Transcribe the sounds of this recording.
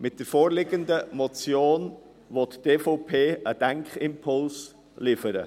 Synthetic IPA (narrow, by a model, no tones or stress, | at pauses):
mɪt̚d̥əɾfoːɾlɪɡəndəmɔt͡sjoːn | vɔtd̥eːfoʊpʰeːʔəd̥ɛŋkχɪmpʰʊls | lɪfəɾə̰